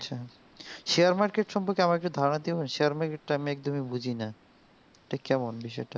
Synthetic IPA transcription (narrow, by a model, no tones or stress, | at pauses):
ɕʰa | ʃeaɾmaɾkeʈʃɔmpoɾkeamaɾek̚ʈud̪ʱaɾonad̪iboenʃeaɾmaɾkeʈ̚ʈaamiɛk̚d̪omibʱud͡ʑʱina | ʈikkːɛmonbiʃɔ̰jʈa